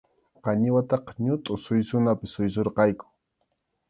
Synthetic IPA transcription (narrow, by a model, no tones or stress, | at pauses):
qɑɲɪwat̪ɑqɑ̥ɲʊt̪ʼʊsʊjsʊnapɪsʊjsoɾqɑjkʊ̥